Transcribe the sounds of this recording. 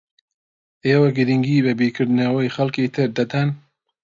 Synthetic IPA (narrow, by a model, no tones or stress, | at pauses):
eːwɐɡɨɾiŋɡiːbɐbiːkʰɨɾd̪ɨnɐwɐjxɐlkiːt̪ʰɨɾd̪ɐd̪an